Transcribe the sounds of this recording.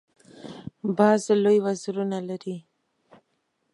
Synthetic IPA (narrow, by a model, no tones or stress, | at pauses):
bɑzlojwazɾunalaɾi